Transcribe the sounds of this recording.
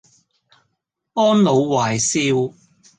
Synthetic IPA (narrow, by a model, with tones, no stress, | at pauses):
ɔː˥nlo˨˧wwaː˨˩jsiː˧w